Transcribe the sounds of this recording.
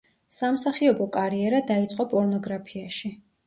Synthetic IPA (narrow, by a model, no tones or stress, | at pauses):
samsaχiɔbɔkʼaɾiɛɾad̪ait̪sʼqʼɔpʼɔɾnɔɡɾapʰiaʃi